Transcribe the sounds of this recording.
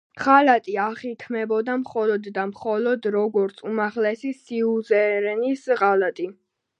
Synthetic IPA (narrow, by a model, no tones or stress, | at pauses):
ʁalat̪ʼiaχit̪ʰmɛbɔd̪amχɔlɔd̪ːamχɔlɔd̪ɾɔɡɔɾt̪sʰumaʁlɛsisiuzɛɾɛnisʁalat̪ʼi